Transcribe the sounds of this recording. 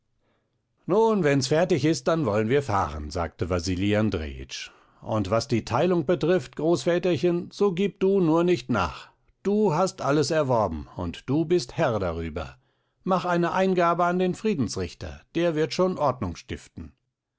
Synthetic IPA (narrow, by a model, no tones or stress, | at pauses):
nuːnvɛnsfɛɐtɪçɪst̚d̥anvɔlənviːɐfa̰ːʁə̰nza̰ːk̚təvaziːliandʁḛːɪ̰t͡ʃ | ʔʊ̰ntv̥asd̥iːtʰaɪlʊŋb̥ətʁ̥ɪftɡ̥ʁoːsfɛːtɐçɪnz̥oːɡiːp̚d̥uːnuːɐnɪçtna̰ːχ | d̥uːɦastʔaləsɛɐvɔɐbm̩ʊ̰ntd̥uːbɪsthɛɐda̰ʁyːbɐ̰ | maχʔaɪnəʔaɪnɡaːbəandeːnfʁ̥iːdn̩sʁɪçtɐ̰d̥eːɐvɪɐtʃoːnʔɔɐdnʊŋsʃtɪftn̩